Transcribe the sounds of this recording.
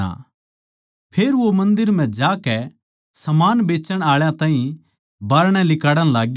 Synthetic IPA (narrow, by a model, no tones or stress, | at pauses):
a̰ | pʰeːɾʋomɐ̃nd̪ɪɾm̤ɛ̃d͡ʒaːkɛ | sɐmaːnbeːt͡ʃəɽ̃aːɭjãt̪ãːɦĩ | baːɾɽ̃ɛlɪkaːɽə̃laːɡ